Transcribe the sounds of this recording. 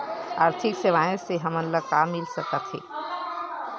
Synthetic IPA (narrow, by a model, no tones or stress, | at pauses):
aːɾt̪ʰikseʋaẽseɦəmənləkamːilsəkət̪ɦɛ̰̃ː